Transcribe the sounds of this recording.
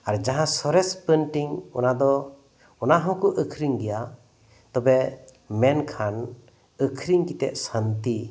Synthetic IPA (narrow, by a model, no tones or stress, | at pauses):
aɾd͡ʒaɦãsɔɾɛspənʈiŋɔnad̪ɔ | ɔnaɦɔ̃kɔʔəkʰɾiŋɡɛja | t̪ɔbɛ | mɛnkʰan | əkʰɾiŋkit̪ɛ̰ʔ̪̚sant̪i